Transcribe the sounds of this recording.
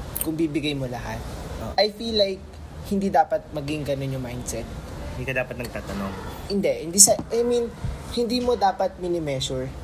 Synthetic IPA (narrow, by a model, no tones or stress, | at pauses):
kʊŋbibɪɡajmolɐha̰t̪̚oʔajfilːajk̚ | hɪnd̪iːd̪aːpɐt̪̚mɐɡɪŋɡɐno̞njʊŋmajnd̪sɛt̪̚nd̪ikɐd̪aːpɐt̪nɐɡ̚t̪aːt̪ɐnoŋhɪnd̪ɛʔhɪnd̪isɐʔajmĩnhɪnd̪iːmo̞d̪aːpɐt̪̚mɪnɪmɛːsʊɹ